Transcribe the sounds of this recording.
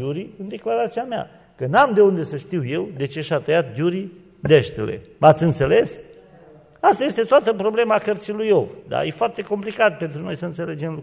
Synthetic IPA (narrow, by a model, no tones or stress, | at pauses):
uɾiɨnd̪e̞klaɾat̪siamea̰ | kənamd̪e̞und̪e̞səʃt̪iwje̞wd̪e̞t͡ʃe̞ʃat̪əjat̪̚d͡ʒuɾi | d̪eʃt̪elḛmat̪sʲɨnt̪se̞le̞s | ast̪aje̞st̪e̞t̪oat̪əpɾo̞ble̞makərt̪silujo̞vd̪a̰jefoart̪e̞ko̞mplikat̪̚pe̞nt̪ɾuno̞jsəɨnt̪se̞le̞d͡ʒemlu